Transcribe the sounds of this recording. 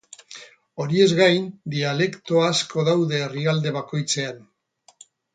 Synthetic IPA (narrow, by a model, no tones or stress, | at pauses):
o̞ɾie̞zɣajnd̪iale̞kt̪o̞asko̞ðawðe̞ːriald̪e̞βako̞jt͡se̞an